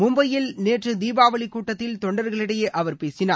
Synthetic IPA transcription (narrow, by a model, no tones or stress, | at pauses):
mʊmbɐjɪlneːʈrɯd̪iːbaːʋɐɭɪkːuːʈːɐt̪ːɪlt̪ɔɳɖɐɾɣɐɭɪɽɐjeːʔɐʋɐɾpeːsɪnaː